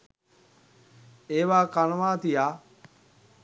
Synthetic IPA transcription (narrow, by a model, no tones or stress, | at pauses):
eːʋaːkanəʋaːt̪ijaː